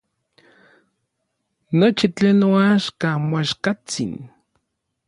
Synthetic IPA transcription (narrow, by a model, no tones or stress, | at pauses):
not͡ʃit͡ɬeːnːoaʃkamoaʃkat͡sḭn